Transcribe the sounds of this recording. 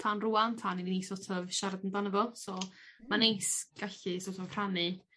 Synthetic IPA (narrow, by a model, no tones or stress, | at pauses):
tʰaːnruantʰaːnininisɔtʰəvʃaɾadəndanəvɔlˠsɔmanejsɡ̥aɬɨsɔtʰɔvkʰr̥anɨ